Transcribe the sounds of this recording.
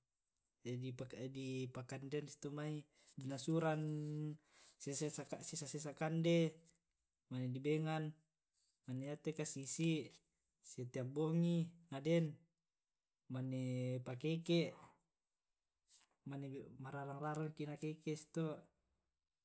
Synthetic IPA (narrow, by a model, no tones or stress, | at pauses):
d͡ʒadipadipakandensi̥t̪omai | dinasuɾan | sesesakasisasesakande | manedibeŋan | manːejat̪ekasisi | set̪eaboŋiŋadɛn | manːepakekeʔ | manemaɾaɾaŋraɾaŋkinakekesi̥t̪o